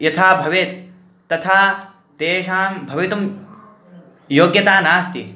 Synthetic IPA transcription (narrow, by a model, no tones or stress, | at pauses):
jɐt̪ʰaːbʱɐʋet̪ː | ɐt̪ʰaː | t̪eːʃaːmbʱɐʋit̪um | joːɡjɐt̪aːnaːst̪ḭ